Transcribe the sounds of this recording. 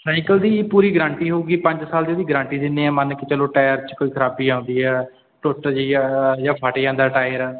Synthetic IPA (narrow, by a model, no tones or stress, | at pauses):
saːɪkəld̪iːpuːɾiːɡəɾãːɳʈiːɦoɡiːpə̃ɲd͡ʒsaːleːd̪iːɡəɾãːɳʈiːd̪ɪneːɛ̃ːmənkɪt͡ʃəlõːʈaːjəɾt͡ʃkoːiːkʰəɾaːbiːãːʊnd̪iːɛː | ʈʊʈd͡ʒiːjaːpʰaːʈeːãːnd̪aːʈaːɪjəɾɛː